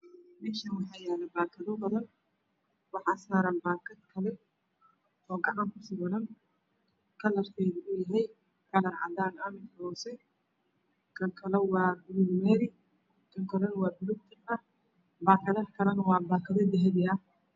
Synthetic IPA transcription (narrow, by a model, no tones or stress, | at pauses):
mɛːʃɐnwɑħɑːjaðɛbaːkʰɐðɔbɐðɐn | wɑħaːsaːɾanbaːkʰɐd̪kʰɐlɛ | ʔɔːɡɐʕaŋkʊsɪbɐðɐn | kʰɐlɐrfʰɛjðɪʔʊjɐɦɛj | kʰɐlɐnʕɑ̰d̪aːnamɪk̪ɐɔːsɛ | kʰɐlkʰɐlɛwɑːbɪlɪlmɛːɾɪ | kʰɐŋkʰɐlɐnɐwɑːdʊɾʊɡ̚t̪ʰɪɐ | baːkʰɐðɐkʰɐlɐnɐwɑːbaːkɐðɐd̪ɛɦɛdɪɐ